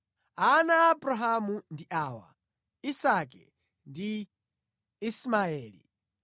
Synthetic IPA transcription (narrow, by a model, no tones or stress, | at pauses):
anaːbɾaɦamundiʔaːwa̰ | isakɛ̰ | ndi | ismaɛːlḭ